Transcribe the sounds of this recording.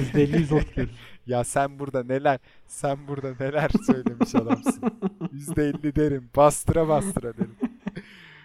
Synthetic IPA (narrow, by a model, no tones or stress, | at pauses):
yzd̪elʲːizot̪keɾjasænbuɾd̪ane̞lʲæɾ̥ | sænbuɾd̪anelʲæɾsø̞jlmʲe̞miʃalˠamsɯnjyzd̪ɛːlʲːid̪e̞ɾimbast̪ʰɾabast̪ɾad̪eɾim